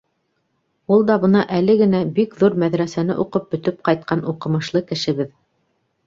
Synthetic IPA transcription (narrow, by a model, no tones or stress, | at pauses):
ulˠd̪ɑbɤ̆nɑʔæl̪ɘɡɘ̆næbikðuɾmæðɾæsænɘ̰ʔuqɤp̚bɵ̆t̪ɵp̚qɑjt̪̚qɑnuqɤ̆mɤ̆ʃlˠɤkɘ̆ʃɘ̆βɘð